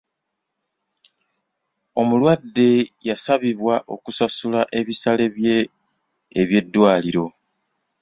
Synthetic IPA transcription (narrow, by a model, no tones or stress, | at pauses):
o̞mulwadːe̞jasaβiβwaʔo̞̰kusasulaʔe̞βisale | eβje̞dːwaːliɾo̞